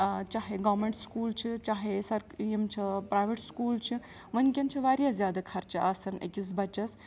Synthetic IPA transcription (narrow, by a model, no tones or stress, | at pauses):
t͡ʃaːɦeɡɐːɾmeɳʈskuːlt͡ʃʰit͡ʃaːɦesɐɾjimt͡ʃʰipɾaːjʋeʈskuːlt͡ʃʰi | ʋɐnkʲent͡ʃʰiʋaːɾjazʲjaːd̪akʰɐɾt͡ʃʰiʔaːsɐnḛkis̬bɐt͡ʃɐs